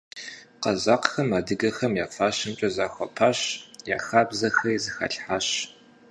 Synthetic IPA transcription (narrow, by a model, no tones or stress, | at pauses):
qɐzaːqxɐmaːdɨɡɐxɐmjaːfaːɕɪmt͡ʃʼɐzaːxʷɐpʰaːɕja̰ːxaːbzɐxɐizɨxa̰ːɬħaːɕ